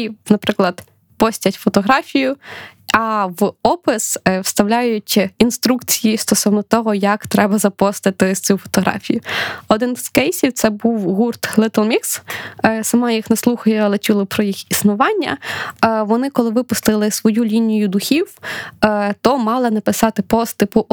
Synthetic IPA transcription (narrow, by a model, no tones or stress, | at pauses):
nɐpɾɪklˠɐd̪ | pɔsʲtʲɐtʲfɔt̪ɔɦɾɑfʲijʊɐʋɔpɪswst̪ɐwlʲajʊtʲinst̪ɾukt͡sʲijjist̪ɔsɔwnɔt̪ɔɦɔjɐkt̪ɾɛbɐzɐpɔst̪ɪt̪ɪt͡sʲufɔ̥t̪ɔɦɾɑ̰fʲijʊɔd̪ɪnz̥kɛjsʲiwt̪sɛbuwɦurt̪lˠɪt̪lˠmʲikssɐmɑjixnɐslˠuxɐjɛlˠɐt͡ʃʲulˠɔpɾɔjixisnʊʋɑnʲːɐ̰ | ʋɔnɪkɔlˠɪʋɪpʊst̪ɪlˠɪsʋɔjulʲinʲijʊd̪uxʲiw | t̪ɔmɑlˠɪnɐpɪsɑt̪ɪpɔst̪ɪpʊ